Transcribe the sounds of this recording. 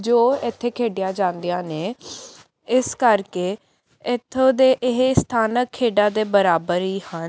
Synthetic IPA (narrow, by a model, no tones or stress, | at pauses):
d͡ʒoːɪt̪ʰːeːkʰeːɖɪjaːd͡ʒãːnd̪ijãːneː | ɪskəɾkeː | ɪt̪ʰːõːd̪eːʔɪɦest̪ʰaːnəkʰːeːɖaːd̪eːbəɾaːbəɾiːhən